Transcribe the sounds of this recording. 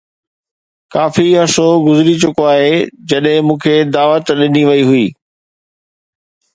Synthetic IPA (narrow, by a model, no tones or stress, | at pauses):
kaːfiɐsoɡʊzɾit͡ɕʊkoaːɦeːd͡ʑɐɗɦɪ̃mũːkʰed̪aːʋət̪ɗɪniʋɐiɦʊiː